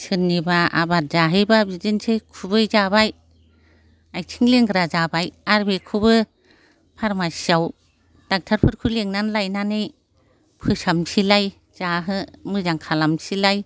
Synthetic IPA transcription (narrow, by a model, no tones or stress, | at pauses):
sɯnːibaa̰bat̚zaɦɯjbabizɯnsʰejkʰubɯjzabaj | aj̚tʰiŋleŋɡɾazabajaɾbekʰubɯ | pʰaɾmasiaw | d̥ak̚tʰaɾpʰɯɾkʰɯleŋnanlajnanɯj | pʰɯsamsʰilaj | z̥aɦɯmɯzaŋkʰalamsilaj